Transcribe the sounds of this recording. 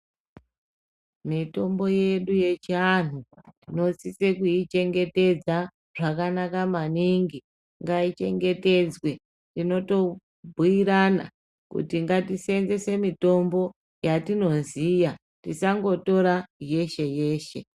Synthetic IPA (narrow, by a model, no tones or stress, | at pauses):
mito̞mbo̞je̞ɗuje̞t͡ʃian̤utino̞sise̞kuit͡ʃe̞ŋɡe̞te̞d͡za | ʐ̥akanakamaniŋɡi | ŋɡait͡ʃe̞̰ŋɡe̞te̞d͡zwe̞ | tino̞to̞ | bʱuiɾana̰ | kṵtiŋɡatise̞nze̞se̞mito̞mbo̞ | jatino̞nzija | tisaŋɡo̞to̞ɾaje̞ʃe̞je̞ːʃe̞̰